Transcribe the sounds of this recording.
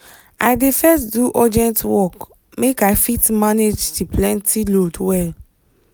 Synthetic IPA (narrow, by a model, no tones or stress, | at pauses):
a̰ɪdefɛstduʔɔdɛ̃ntwɔk | mekaɪfitmaned͡ʒduplɛ̃ntʰilodwɛl